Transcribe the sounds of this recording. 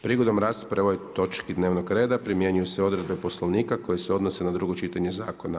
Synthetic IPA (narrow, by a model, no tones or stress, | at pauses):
pɾiːɡo̞d̪omɾaːst̪pɾeʋojt̪o̞t͡ʃkid̪neʋnoɡɾeːd̪apɾimje̞ɲujuseo̞d̪ɾe̞d̪̚be̞poslˠo̞ʋniːkako̞jeseo̞d̪no̞se̞nad̪ɾuɡo̞t͡ʃit̪aɲezaːkona